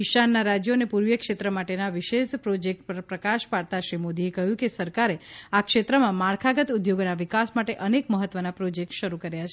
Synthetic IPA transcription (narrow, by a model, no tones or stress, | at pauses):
ɪʃanːaɾad͡ʒjonepuɾʋjəkʃet̪ɾəmaʈenaʋiʃeʃpɾod͡ʒek̚ʈppɾəkaʃpaɽt̪aʃɾimod̪iekəɦjũkesəɾkaɾeakʃet̪ɾəmãmaɭkʰaɡət̪ud̪joɡonaʋɪkasmaʈeʔənekməɦət̪ʋənapɾod͡ʒek̚ʈʃəɾukəɾjat͡ʃʰ